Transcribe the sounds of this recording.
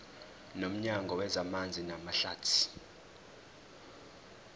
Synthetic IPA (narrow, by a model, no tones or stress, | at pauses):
nom̩ɲaŋɡʱɔwɛzamand͡zʱinamaɬaːtʰi̥